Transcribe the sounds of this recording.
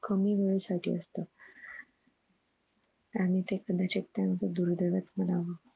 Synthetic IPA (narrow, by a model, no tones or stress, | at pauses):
kəmiːʋeɭəsaʈʰḭːəst̪ə | aɽ̃it̪ekəd̪ʱat͡ɕek̚t̪jant̪əd̪uɾd̪əʋjat͡smənaʋə